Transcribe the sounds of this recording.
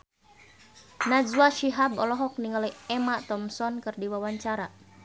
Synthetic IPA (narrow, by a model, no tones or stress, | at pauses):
nazwaʃiɦabɔlɔɦɔk̚niŋaliɛmat̪ɔmsɔnkɨrdiwawaɲt͡ʃaɾa